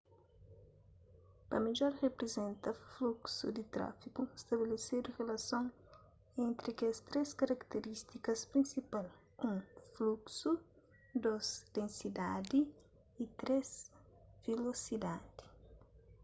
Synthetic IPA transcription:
pɐmeʎɔɾrepɾezẽnt̪ɐfluksṵd̪it̪ɾa̰fikuest̪ɐbelesed̪urelɐsõŋ | ẽnt̪ɾikeɐst̪ɾeskɐɾɐkt̪eɾist̪ikɐspɾĩnsipal | ũŋfluksu | d̪ozd̪ẽnsid̪ad̪iː | t̪ɾezv̥elosid̪ad̪̥i

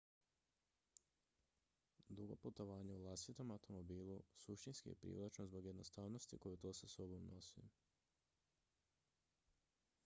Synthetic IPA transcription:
d̪ɾuɡo̰put̪o̞ʋaːɲeulˠast̪it̪o̞mawt̪o̞mo̞biːlˠusuʃt̪inskḭjḛpɾḭːʋlˠit͡ʃnozbo̞ɡje̞d̪nost̪aːʋnost̪ikojut̪oːsasobomnʔosḭ

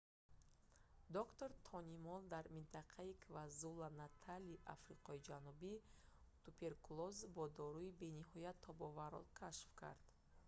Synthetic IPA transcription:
d̪ɔkt̪o̞ɾt̪ʰɔnimɔld̪aɾmint̪ʰaqʰaikʰvazulanat̪ʰaliʔa̰fɾiqɔid͡ʒanubi | t̪upʰe̞ɾkulɔzbɔd̪ɔɾuibe̞niɦɔjat̪ʰːɔbɔvaɾɔ̰lkʰaʃfkʰa̰ɾd̪̥

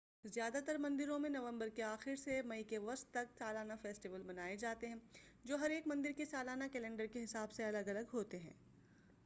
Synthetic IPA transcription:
zjaːd̪at̪əɾmɐ̃nd̪ɪɾõmẽnɐʋə̃mbəɾkeaːxɪɾsemɐikeʋɐst̪ːɐksaːlaːnafeːsʈɪʋəlbɐnaːed͡ʒaːt̪eɦɛ̃ː | d͡ʒoːɦɐɾeːkmɐ̃nd̪ɪɾkesaːlaːnakɛːlɛ̃ɳɖəɾkeɦɪsaːbseɐləɡɐləɡɦoːt̪eɦɛ̰̃ː

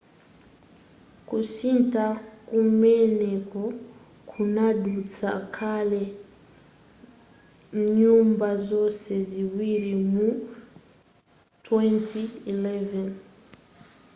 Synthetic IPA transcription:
kusiːntakumeneku | kʰunadut͡sakʰale | ɲuːmbazo̞seziwiɾimu | twentiileven

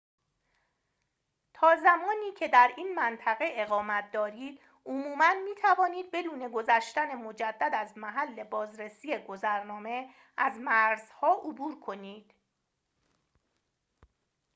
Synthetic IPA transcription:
t̪ʰɒːzæmɒːniːcʰe̞d̪æɾiːnmænt̪ʰæɣe̞ʔeɣɒːmæt̪̚ʰd̪ɒːɾiːd̪̥ | omuːmænmiːt̪ʰævɒːniːd̪̚be̞d̪uːne̞ɡozæʃt̪æne̞mo̞d͡ʒæd̪ːæd̪æzmæɦælːe̞bɒːzɾesiːjeɡo̞zæɾnɒːme̞ | ʔæzmæɾz̥hɒːʔobuːɾkʰo̞niːd̪̥

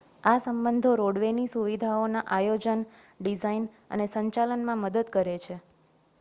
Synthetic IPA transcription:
asəmbənd̪ʱoɾoɽʋenisuʋid̪ʱaonaʔajod͡ʒənɖizain | ə̰nesəɲt͡ʃalənmãməd̪əd̪kəɾet͡ʃʰe

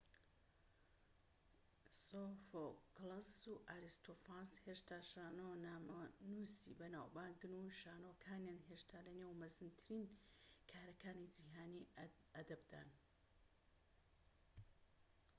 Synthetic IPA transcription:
sofoklɐuʔaɾist̪ʰofaːnsheʃt̪aːʃaːnonamnusḭbɐnaːwbaːŋɡɨnuʃaːnokʰaːnjaːnɦeʃt̪ʰaːlɐnewmɐzɨnt̪ʰɨɾinkʰaːɾɐkaːnid͡ʒiːɦaːni | ɐd̪ɐbd̪a̰ːn

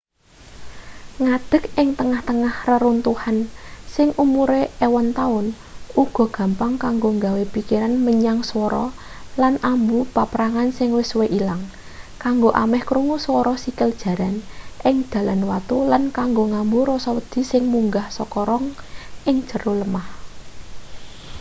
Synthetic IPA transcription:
ŋad̪̥ə̤kɪŋt̪əŋaht̪əŋahrəɾunt̪uhansɪŋʔumuɾeewɔnt̪aʊn | uɡ̥ɔ̤ɡ̥ä̤mpaŋkaŋɡoŋɡawepikiɾanməɲaŋswɔɾɔ̰ | lanʔambupapɾaŋansɪŋwɪsweʔilaŋ | kaŋɡoʔamɛhkɾuŋuswɔɾɔsikəld̥ʒ̥ä̤ɾanʔɪŋd̪̥ä̤lanwat̪ulankaŋɡoŋambuɾɔsɔwəd̪̥i̤sɪŋmuŋɡahsɔkɔɾɔŋʔɪŋ̥ʒ̥ə̤roləmah

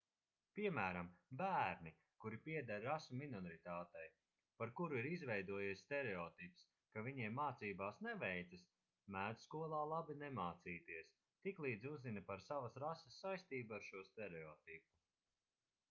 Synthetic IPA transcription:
piɛmæːɾambæːɾni | kuɾipiɛd̪aɾɾasuminɔɾit̪aːt̪ɛj | paɾkuɾuiɾizvɛjd̪uɔjiɛsst̪ɛɾeɔːt̪ips | kaviɲɛjmaːt̪siːbaːsnɛvɛjt̪ɐs | mæːd̪skuɔlˠaːlˠabinɛmaːt̪siːt̪iɛs | t̪iklˠiːd̪zuzinɐpaɾsavɐsɾasɐsːajst̪iːbuaɾʃuɔst̪ɛɾɛɔːt̪ipu

